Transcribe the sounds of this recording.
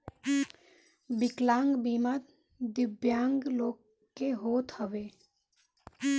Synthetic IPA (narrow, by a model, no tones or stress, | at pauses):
bɪklãːŋɡbiːmat̪ | d̪ɪbjaːŋɡloːk | kːeɦoːt̪həʋeː